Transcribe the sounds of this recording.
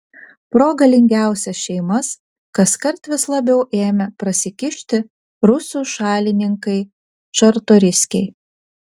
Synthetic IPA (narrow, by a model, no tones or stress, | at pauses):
pɾoːɡɐlʲɪŋʲɡʲæˑʊsʲɛsʃʲɛɪmɐs | kɐskɐɾt̪ʋʲɪslˠɐbʲɛʊʔeːmʲɛpɾɐsʲɪkʲɪʃʲt̪ʲɪ | ɾʊsuːʃɑːlʲɪnʲɪŋkɐɪ | t͡ʃɐɾt̪oːɾʲɪsʲkʲɛɪ